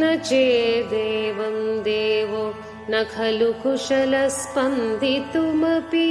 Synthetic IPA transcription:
nɐt͡ʃeːd̪eːʋɐmd̪eːʋo | nɐkʰɐlukʰuʂɐlɐspɐnd̪ʱit̪umɐpi

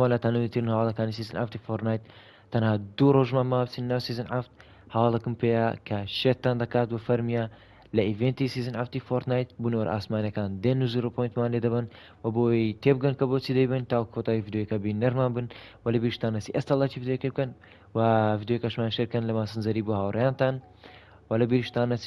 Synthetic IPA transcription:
ɐlat̪anumit̪ʰiɾɨnhɐwaːlɐkaːnisizɨnʔa̰ft̪ifoɾt̪naːjt̪ː | ɐnhad̪uɾoʒmamaːbt͡sinːɐwsiːzɨnʕaft̪̚ | hɐwaːlɐkɨmpejakʰɐʃet̪ːand̪ɐkaːt̪̚wɐfɐɾmija | lɐivent̪isiːzɨnʕaft̪ifoɾt̪naːjt̪̚bunowɐɾʔa̰ːsmaːnɐkaːnd̪enːuzuɾopʰojnt̪maːnled̪ɐbɐn | wɐboːt̪ʰeb̚ɡɐnkɐbot͡sʰid̪ɐjbɐnt̪aːwkʰot̪aivid̪joːjkɐbinɐɾmaːnbɨnwɐlɐbiːɾʃt̪anːɐsiʔɐst̪ɐlːat͡ʃʰivid̪jojkeb̚ɡɐn | wɐvid̪jokɐʃmaːnʃeɾkɐnlɐmaːsɨnzɐɾibohawɾjaːnt̪an | wɐlɐbiɾiʃt̪aːnɐs

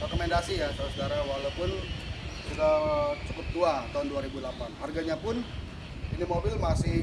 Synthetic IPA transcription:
rekomɛndasijasausodaɾawalawpʊnsudat͡ʃəpʊt̪̚ːuat̪aɦʊnduaɾibulapanɦarɡaɲapʊn | inimobɪlmasɪh

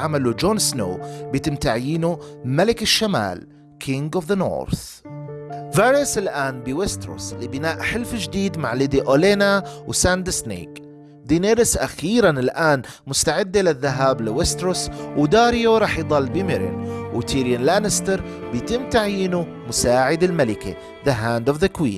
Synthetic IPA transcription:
ʕamalud͡ʒoːnsno̰ːbjt̪ɪmt̪aʕjiːnumalɪkɪʃːama̰ːl | kʰɪŋɡɔvðano̰ːɾθ | vajɾɪsɪlʔaːnbiwɪst̪ɾʊ̰slibɪnaːʔħɪlfd͡ʒd̪iːd̪maʕlɪd̪iʔoleːnawsand̪ɪsnḛːk | d̪ineːɾɪsʔaxiːɾanɪlʔaːn | mʊst̪aʕɪd̪ːalɪðːaɦaːblɪwɪst̪ɾʊswd̪aːɾɪjoɾˤɑːħjd̪ˤɑlːbɪmɪɾɪ̰nwt̪ʰiːɾjanlaːnɪst̪ɪɾˤ | bjt̪ɪmt̪aʕjiːnu | mʊsaːʕɪd̪ɪlmalɪkḭ | ðaɦaːnd̪ɔvðakwḭːn

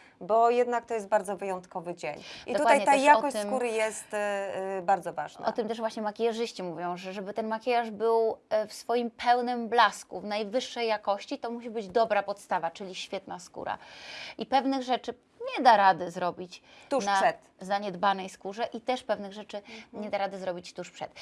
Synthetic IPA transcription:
bɔjɛd̪nak̚t̪ɔjɛst̪̚baɾd̪zɔvɘjɔnt̪kɔvɘd͡ʑeɲdʔid̪ɔukwadaj̪ɲɛt̪aɛjaɔkɔɕssmkuɾɘjɛst̪ | baɾd̪zɔva̰ʐna̰ɔt̪ɘmt̪ɛʂvwaɕɲɛmakʲijaʐɘɕt͡ɕimuvʲjɔ̃w̃ʐɛʐɛbɘt̪ɛnmakʲɛjaʐbɘwfsfɔjimpʰɛwnɘmblaskuvnajvɘʂːɛjːakɔɕt͡ɕit̪ɔmuɕ̬ibɘd͡ʑd̪ɔbɾapɔt̪st̪avat͡ʂɘlʲiɕfʲjɛt̪naskṵɾa̰ʔipɛvnɘɣʐɛt͡ʂɘ | ɲɛd̪aɾad̪ɘzɾɔbʲit͡ɕt̪unaʂʂɛt̪zaɲɛd̪banɛjskuʐɛʔit̪ɛʂpɛvnɘɣʐɛt͡ʂɘɲɛd̪aɾad̪ɘzɾɔbʲit͡ɕt̪uʂpʂɛ̰t̪

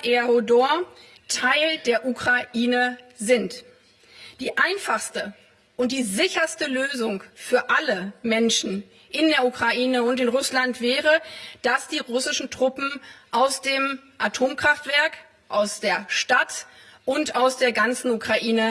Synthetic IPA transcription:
ʔeodoɐ | tʰaɪldeːɐʔukʁ̥aʔiːnəzɪnt | d̥iːʔaɪnfaχstə | ʔʊnt̚d̥iːzɪçɐstəløːzʊŋfyːɐʔaləmɛnʃn̩ | ʔɪndeːɐukʁ̥aʔiːnəʊntɪnʁʊslantv̥ɛːʁəd̥asd̥iːʁʊsɪʃn̩tʁ̥ʊpm̩ʔaʊsd̥eːmʔatʰoːmkʁ̥aftv̥ɛɐk | ʔaʊsd̥eːɐʃtat | ʔʊntaʊsd̥eːɐɡant͡sn̩ukʁ̥aʔiːnə

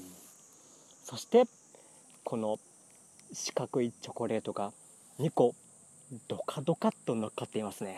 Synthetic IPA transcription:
so̞ɕi̥t̪e̞ | kʰo̞no̞ | ɕi̥kakɯ̟it͡ɕo̞ko̞ɾe̞ːt̪oɡa | ɲ̟iko̞ | d̪̥o̞kʰad̪o̞kat̪ːonokːat̪ːe̞imasɨne̞

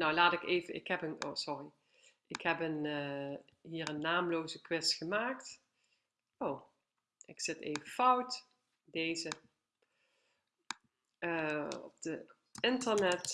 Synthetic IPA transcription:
nowlaːtɪkejvəɪ̰kɦɛpəno̰sɔri | ʔɪkɦɛpən | ɦiːrənːaːmloːwzəkʋɪstxəmaːkt | ow | ʔɪksɪteːvəfʌwt | dejzə | əɔ̰p̚d̥ə | ɪntərnɛt

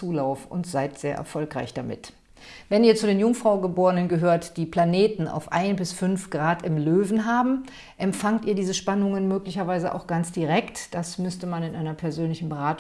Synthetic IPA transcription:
uːlaʊfʊ̰ntz̥aɪtz̥eːɐʔɛ̰ɐfɔlkʁ̥a̰ɪçd̥amɪ̰t | vɛniːɐt͡sudeːnjʊŋfʁ̥aʊɡəboːʁənənɡəɦøːɐtd̥iːpʰl̥aneːtn̩a̰ʊfʔaɪnbɪsfʏnfɡ̥ʁaːtɪmløːvn̩ɦaːbm̩ | ʔɛmfaŋtiːɐdiːzəʃpanʊŋənmøːklɪçɐvaɪzəʔa̰ʊxɡ̥ant͡sd̥iʁɛktd̥asmʏstəmanɪnʔaɪnɐpʰɛɐzøːnlɪçn̩bəʁaːt

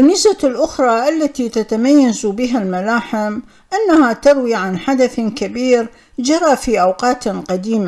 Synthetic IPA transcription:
ʔɪnːɪsbalʔʊxɾˤɑːʔalːat̪iːt̪at̪amajːazbɪɦalmalaːħɪm | ʔanːahat̪ɑɾwiːʕanħad̪aθkabiːɾ | d͡ʒɑɾˤɑfiːʔawqɑːt̪qad̪iːma

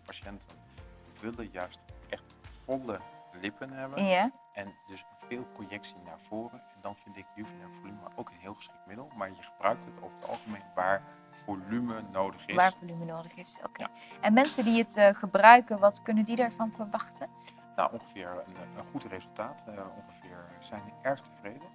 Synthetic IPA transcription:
paʃɛntʰən | ʋɪlənjœɥstʔɛχtv̥ɔləlɪpənɦɛbənjaʔɛndɵs | vɪːlˠprojɛksina̰ːɹv̥ʊːrənɛndɑnvɪndɪk̚niwfəmɛvolymmə̰ɹʔowkənɦɪːlˠχəsχɪk̚tmɪdəlˠmaːɹjəχəbrœɥk̚təto̰wvəɹətɑ̰lˠχəmejnʋaːɹ | v̥olymənowdəχɪʋaːɹvolymənowdəχɪso̰kej | ɛnmɛnsəndiətχəbrœɥkənʋɑtkɵnəndidaːɹvɑnvəɹʋɑχtən | na̰wʔɔŋχəv̥ɪːɹənənχutrezɵlˠtaːtɔ̰ŋχəvɪːɹz̥ɛjnʋəʔɛɹχtəvrejdən

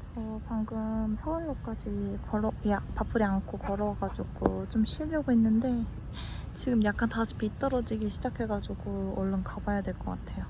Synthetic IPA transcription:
t͡ɕʌpaŋɡɯmsʰʌɯɭːok͈ad͡ʑikʌɾjapapʰɯɾiankʰokʌɾʌɡad͡ʑuɡot͡ɕomɕʰiɭʎʌɡoɦenːɯnde̞ | t͡ɕiɡɯmjak͈̚ʰantasʰu̥pʰit͈ʌɾʌd͡ʑiɡiɕʰid͡ʑakʰe̞ɡad͡ʑuɡoʌɭːɯnkabajadweɭk͈ʌk͈atʰe̞jo

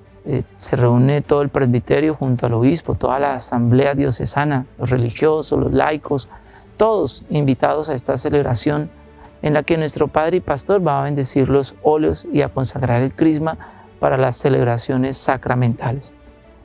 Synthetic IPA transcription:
se̞reune̞t̪o̞ðoe̞lpɾe̞zβit̪eɾjo̞xunt̪̬oalo̞βispo̞t̪o̞ðalaːsamble̞aðjo̞se̞̰sanalosre̞lixjo̞sozlo̞̰zla̰jkʰo̞s | t̪o̞ðo̞simbit̪að̞o̞sae̞st̪ase̞le̞βɾasjo̞n | enlake̞nwe̞st̪ɾo̞paðɾeipast̪o̞ɾbaːβe̞nd̪e̞siɾlo̞so̞ljosiako̞nsaɣɾaɾe̞lkɾizma | paɾalasːe̞le̞βɾasjo̞ne̞sːakɾamẽnt̪ʰales

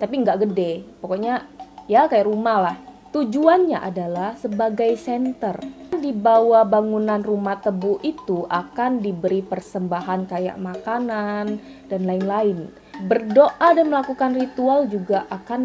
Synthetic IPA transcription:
t̪apiəŋɡaʔɡədɛpokoɲajakajaʔɾumalah | t̪ud͡ʒuanɲaʔa̰dalahsəbaɡajsɛnt̪ərndibawabaŋunanrumat̪əbuit̪uʔakandibəɾipərsəmbaɦankaja̰ʔmakanan | danlaɪnlaɪn | bərdoʔadanməlakukanrit̪uald͡ʒuɡaʔakan

